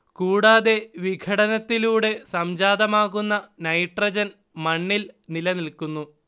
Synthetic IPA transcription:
kuːɽaːðe̞ʋiɡʰʱɐɽɐnɐt̪ːiluːɽe̞sɐmd͡ʑaːd̪ɐmaːɣunːɐnɐjʈrɐd͡ʑɐn | mɐɳːilnilɐnilkunːu

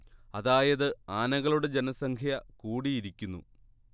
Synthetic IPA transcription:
ɐðaːjɐðɨaːnɐɣɐɭuɽe̞d͡ʑenɐsɐŋkʰjɐkuːɽijːɾikʲːunːṵ

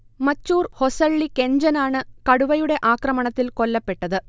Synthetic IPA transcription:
mɐtːuːrho̞sɐɭːike̞ɲd͡ʑɐnaːɳɨkɐɽuʋɐjuɽe̞ʔaːkrɐmɐɳɐt̪ːilko̞lːɐpːe̞ʈːɐðɨ

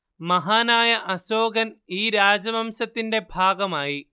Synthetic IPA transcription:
mɐɦaːnaːjɐʔɐɕoːɡɐniːɾaːd͡ʑɐmɐmɕɐt̪ːinde̞bʱaːɡɐmaːji

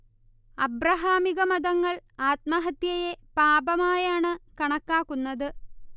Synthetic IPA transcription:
ɐbrɐɦaːmiɣɐmɐðɐŋːɐɭaːt̪̚mɐɦɐt̪jɐje̞paːbɐmaːjaːɳɨkɐɳɐkːaːkːunːɐðɨ

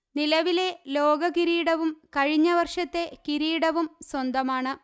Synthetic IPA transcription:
nilɐʋile̞lo̞ːɡɐkiɾiːɽɐʋumkɐɻiɲːɐʋɐrʂɐt̪ːe̞kiɾiːɽɐʋumswɐnd̪ɐmaːɳɨ

